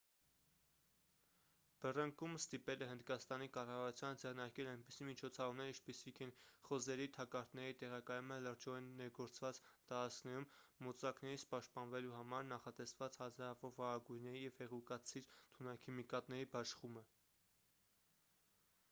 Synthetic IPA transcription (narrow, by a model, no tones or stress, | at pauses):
b̥ərəŋkumst̪ipɛlɛɦənd̪kɑst̪ɑnikɑrɑvɑɾut͡sʰjɑnd͡zɛʁnɑɾkɛlɑjnpisimit͡ʃʰɔt͡sʰɑɾumnɛɾint͡ʃʰpisikʰɛnχɔzɛɾit̪ʰɑkɑɾt̪nɛɾit̪ɛʁɑkɑjumələɾd͡ʒɔɛnːɛɾɡɔɾt͡svɑt͡st̪ɑɾɑt͡skʰnɛɾumːɔt͡sɑknɛɾit͡sʰpɑʃt̪̚pɑnvɛluɦɑmɑɾnɑχɑt̪ɛsvɑt͡shɑzɑɾɑvɔɾvɑɾɑɡujnɛɾijɛv̥hɛʁukɑt͡sʰiɾt̪ʰunɑkʰimikɑt̪nɛɾibɑʃχumə